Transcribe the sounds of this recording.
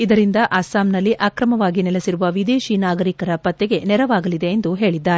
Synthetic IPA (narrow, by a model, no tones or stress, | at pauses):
id̪ɐɾind̪ɐʔaːsaːmnɐlːiʔaːkɾɐmɐʋaːɡinɛlesiɾuʋɐʋid̪eːʃinaːɡɐɾikɐɾɐpɐt̪ːɛɡe̞nɛɾɐʋaːɡɐlid̪e̞ːnd̪uɦe̞ːɭid̪ːaːɾe